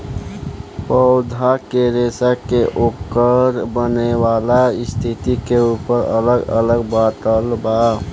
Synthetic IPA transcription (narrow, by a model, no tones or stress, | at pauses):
pəʊd̪ʱakeɾesakeʔokəɾbənewalaɪst̪ʰit̪ikeupəɾə̰ləɡə̰ləɡbat̪əlba